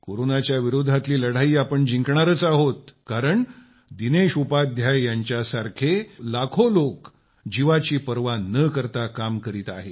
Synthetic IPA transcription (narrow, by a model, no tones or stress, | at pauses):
koɾonat͡ɕjaʋiɾod̪ʱːat̪liːləɽ̤aiːapəɳd͡ʑiŋkɳaɾət͡saɦot̪̚kaɾəɳ | d̪ineɕupad̪ʱjajjaɲt͡ɕjasaɾkʰelakʰolok | d͡ʑiʋat͡ɕiːpəɾʋanəkəɾt̪akamkəɾiːt̪aɦe